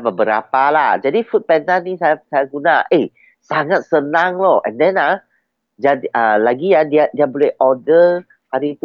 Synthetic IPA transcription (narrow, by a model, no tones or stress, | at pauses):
bəbəɾa̰pala̰hd͡ʒadifut̪̚pɛnt̪anisajasajaɡunaʔe | saŋat̪̚sənãŋlɔhʔɛ̰̃ndɛ̃nlah | d͡ʒadʔəlaɡiadiadiabolɛhɔdə | haɾit̪u